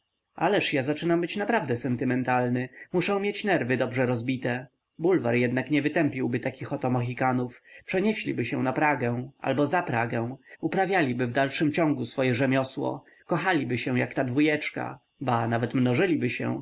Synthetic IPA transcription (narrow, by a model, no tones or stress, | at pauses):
ʔalɛʂjazat͡ʂɘnambɘt͡ɕnapɾavd̪ɛsɛnt̪ɘmɛnt̪alnɘmuʂɛ̃w̃mʲjet͡ɕnɛɾvɘd̪ɔbʐɛɾɔzbʲit̪ɛ | bulvaɾjɛd̪nakɲɛvɘt̪ɛmpʲiwbɘt̪akʲixɔt̪ɔmaxʲikanufpʂɛɲɛɕlʲḭbɘɕɛ̃napɾaɡɛ̃ʔa̰lbɔzapɾaɡɛw̃upɾavʲjalʲibɘvd̪alʂɘmt͡ɕɔ̃ŋɡusfɔjɛʐɛmʲjɔswɔ̰ | kɔxalʲibɘɕɛ̃jakt̪ad̪vujɛt͡ʂka̰ | banavɛt̪mnɔʐɘlʲibɘɕɛ̰̃